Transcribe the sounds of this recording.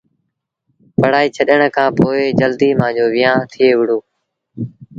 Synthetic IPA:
pəɽ̤aːiːt͡ʃʰəɗəɳkʰãːpoːeːd͡ʒəld̪iːmãːd͡ʒoːʋɪjãːt̪ʰɪeːʋɪɽ̤oː

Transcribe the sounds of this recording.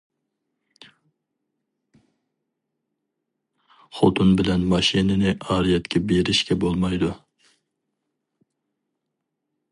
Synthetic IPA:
χot̪ʰunbɪlɛnmɑʃinɪnɪʔɑːɾijɛt̪kʲʰɛbeɾɪʃkʲɛbolˠmɑjd̪u

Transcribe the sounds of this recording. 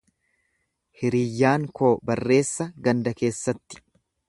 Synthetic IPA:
hɪɾiːjːaːŋko̞ːbɐrːe̞ːsːɐɡɐnd̪ɐke̞ːsːɐt̪ːɪ̥

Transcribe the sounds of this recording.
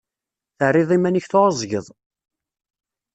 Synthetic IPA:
θəʕɾːɪðˤimænəçθoɾəzˤʝəðˤ

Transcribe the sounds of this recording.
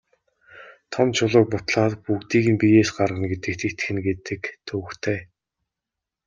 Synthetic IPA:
t̪ʰɔmt͡ɕʰʊɮʊ̆ːk̚pʊt̪ɮaːt̪pukt̪iːɣɘ̆npijeːsɢarʁə̆nɡet̪ɘ̆k̚t̪ʰĕkt̪ɘxɘ̆nɡet̪ɘ̆kt̪ʰɵːxt̪ʰeː

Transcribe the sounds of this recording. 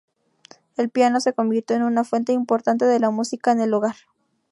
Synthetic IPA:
e̞lpjano̞se̞ko̞mbiɾt̪jo̞enunafwe̞nt̪e̞impo̞ɾt̪ant̪e̞ðe̞lamusikaene̞loɣaɾ

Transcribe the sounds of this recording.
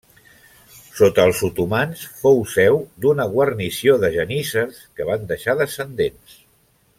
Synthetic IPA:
sot̪əːlˠsut̪umansfowsɛwd̪unəɣ̞wərnisioðəʒənisəskəβ̞and̪əʃaðəsənd̪ens

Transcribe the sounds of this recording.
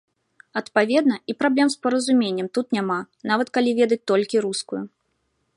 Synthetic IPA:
ɐt̪pavʲɛd̪nɐipɾablʲɛmspɐɾɐzumʲenʲːɛmt̪ut̪nʲama | navɐt̪kalʲivʲɛd̪ɐt͡sʲt̪ɔlʲkʲiɾuskuju

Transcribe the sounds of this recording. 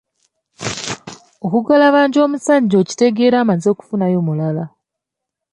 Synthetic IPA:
okuɡalaβaːɲɟo̞ːmusaɟo̞ːci̥te̞ɡe̞ːɾaːmanzo̞ːku̥funajo̞ːmulala

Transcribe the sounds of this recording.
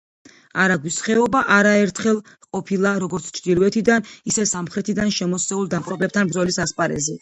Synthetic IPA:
aɾaɡwisχɛɔbaʔaɾaɛɾt̪ʰχɛlˠ | qʼɔpʰilˠaɾɔɡɔɾt̪sʰt͡ʃʰd̪ilˠwɛt̪ʰid̪anisɛsamχɾɛt̪ʰid̪anʃɛmɔst̪ɛulˠd̪aqʼɾɔbɛp̚t̪ʰanbɾzɔlisaspʼaɾɛ̰zɛ

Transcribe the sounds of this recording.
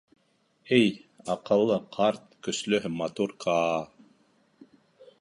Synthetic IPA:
ɘjɑqɤ̆lˠːɤqʰɑɾt̪̚kɵ̆slɵɦmɑt̪uɾkʰɑː

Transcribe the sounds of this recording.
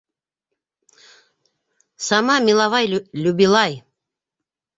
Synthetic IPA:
samɑmilˠɑvɑjlʲubilˠɑj

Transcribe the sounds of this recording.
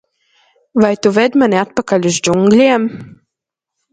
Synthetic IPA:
vajt̪uvɛd̪manʲiat̪̚pakalʲuzd͡ʒuŋɡlʲiɛm

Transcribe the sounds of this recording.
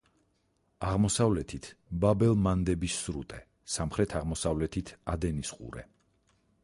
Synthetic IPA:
aʁmɔsavlɛt̪ʰit̪ʰbabɛlˠmand̪ɛbisːɾṵt̪ʼɛ | samχɾɛt̪ʰaʁmɔsavlɛt̪ʰit̪ʰad̪ɛnisqʼṵɾɛ̰

